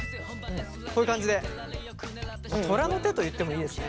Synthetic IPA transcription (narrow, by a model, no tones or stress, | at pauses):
kʰoːjɯ̟kãɲ̟d͡ʑid̪e̞ | mat̪ʰo̞ɾano̞t̪e̞t̪o̞jɯ̟t̪ːemo̞iːd̪e̞sɨne